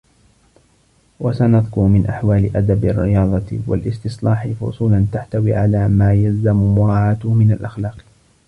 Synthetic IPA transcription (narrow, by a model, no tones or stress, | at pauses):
wasanɑðˤkʊɾmɪnʔaħwaːlɪʔad̪abɪrːɪjɑːd̪ˤɑwa̰lʔɪst̪ɪslɑːħɪfʊ̰sˤuːlant̪aħt̪awiːʕalaːmaːjalzammʊɾˤɑːʕaːt̪ʊhmɪnalʔaxlɑːq